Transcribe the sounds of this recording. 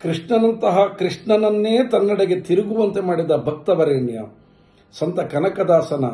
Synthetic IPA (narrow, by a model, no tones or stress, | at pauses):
kɾiʂɳɐnɐnt̪ɐɦɐkɾiʂɳɐnɐnːeːt̪ɐnːɐɽɐɡe̞t̪iɾuɡuʋɐnt̪emaːɽid̪ɐbʱɐk̚t̪ɐʋɐɾeːɳjɐ̰ | sɐnt̪ɐkɐnɐkɐd̪aːsɐnɐ̰